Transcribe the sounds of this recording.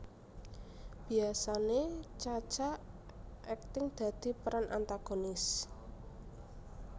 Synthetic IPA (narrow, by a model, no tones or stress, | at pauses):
b̥i̤asanet͡ʃḁt͡ʃaʔ | ɛk̚t̪ɪŋd̪̥a̤d̪̥i̤pəɾanʔa̰nt̪aɡ̥onɪs